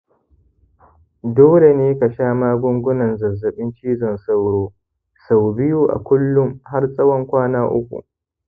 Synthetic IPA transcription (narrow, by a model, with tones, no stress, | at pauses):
doː˦le˨neː˦kɐ˨ʃaː˦maː˦ɡʷʊ˦ŋɡʷʊ˦nɐ˨nzɐ˨zːɐ˨ɓɪ˦nt͡ʃiː˦zɐ˨nsa˦wɽoː˦ | sa˨wbɪ˦ju˦˨ʔa̰˨kʷʊ˦lːʊ˦mha˦rsʼɐ˦wɔ˦ŋkʷaː˦naː˦ʔʊ̰˦kʷṵ˨ʔ